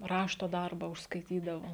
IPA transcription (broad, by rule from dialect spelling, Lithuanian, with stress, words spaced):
ˈrɑːʃtoː ˈdɐrbɐ ʊʃskɐɪˈtʲiːdɐʋoː